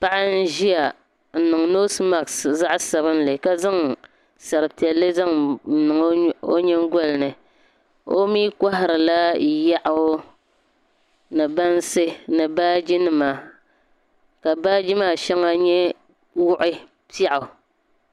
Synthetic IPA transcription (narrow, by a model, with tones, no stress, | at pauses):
pa˦ʔa˦n̩˦ʒi˦ja˨ | n̩˨nɨ˨ŋno˦sma˨ksza˦ʔsa˨βɨ˦n˦lɨ˨ka˦za˦ŋ | sa˨ɾɨ˨pi˨ɛ˨lːɨ˦za˦ŋn̩˦nɨ˨ŋ˦o˦ɲɛ˦ŋ˦ɡɔ˦lɨ˨nɨ˨ | o˦miː˦ka˦ɦa˨ɾɨ˨la˦ja˦ʔʊ˨˦ | nɨ˨ba˦n˦sɨ˦nɨ˨baː˦d͡ʒi˦nɨ˨maː˨ | ka˨baː˦d͡ʒi˦maː˦˨ʃɛ˦ŋa˦ɲɛ˦ | wʊ˦ʔɪ˦ | pi˦a˦ʔʊ˨